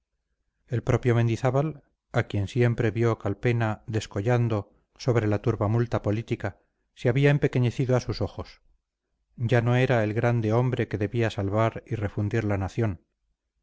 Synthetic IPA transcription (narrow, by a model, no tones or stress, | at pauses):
e̞lpɾo̞pjo̞mẽ̞nd̪iθaβal | akje̞nsje̞mpɾe̞βjo̞kalpe̞naðe̞sko̞ʎand̪o̞ | so̞β̞ɾe̞lat̪uɾβamult̪apo̞lit̪ika | seaβiaempe̞keɲe̞θiðoasuso̞xo̞s | ɟ͡ʝano̞e̞ɾae̞lɣɾand̪e̞o̞mbɾe̞ke̞ðe̞βiasalβaɾire̞fund̪iɾlanaθjo̞n